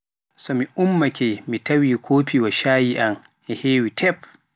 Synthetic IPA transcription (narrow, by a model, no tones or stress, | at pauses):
sɔmiʔumːakʰʲɛmitɐwiːkʰoːpiwaʃaːjiʔam | ʔɛheːwitʰɛp